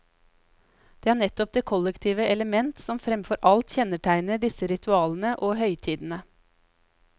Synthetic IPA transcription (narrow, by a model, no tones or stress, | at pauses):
d̪̥eːæːɳɛt̪ɔp̚d̪eːkʰɔlɛkt̪ʰiːʋəʔɛləmɛnt̪sɔmfɾɛmfɔɾʔɑlt̪çɛnəʈʰæɪnəɖɪsəɾɪt̪ʰʉɑːln̩əʔoːɦœʏt̪ʰiːd̪n̩ə